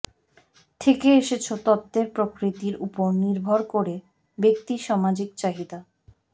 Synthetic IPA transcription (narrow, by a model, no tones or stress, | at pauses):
t̪ʰekeeʃet͡ɕʰot̪ɔt̪ːeɾpɾokɾit̪iɾupoɾniɾbʱoɾkoɾe | bek̚t̪iʃɔmad͡ʑik̚t͡ɕaɦid̪a